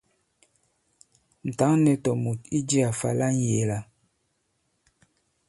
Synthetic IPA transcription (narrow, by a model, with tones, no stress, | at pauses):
n̩˨ta˨˦ŋnɛ˨tɔ˨mu˨ti˦d͡ʒi˦a˨fa̰˨la˦ŋ˨je˨la˨